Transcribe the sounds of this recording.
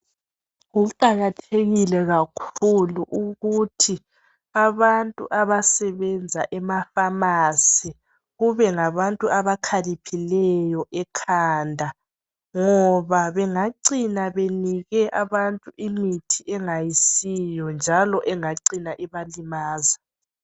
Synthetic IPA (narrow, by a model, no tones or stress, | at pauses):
ɣuǃaɣatʰeɣilɛɣakʰuluʔuɣutʰi | aβantʼṵʔaβasɛβɛnd͡zʱaʔɛmafamasi | ɣuβɛŋaβantʼuʔaβakʰalipʰilɛjɔʔɛkʰandʱa | ŋɔβaβɛŋaǀinaβeniɣɛʔaβantʼuʔimitʰiʔɛŋajisijɔnd͡ʒʱalɔʔɛŋaǀinaʔiβalimaːza